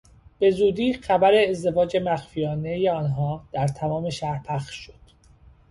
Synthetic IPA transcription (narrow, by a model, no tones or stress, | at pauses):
b̥e̞zuːd̪iːxæbæɾe̞ːzd̪e̞vɒːd͡ʒe̞mæxfijɒːne̞jeɒːnɦɒːd̪̥æɾt̪ʰæmɒːme̞ʃæhɾpʰæxʃod̪̥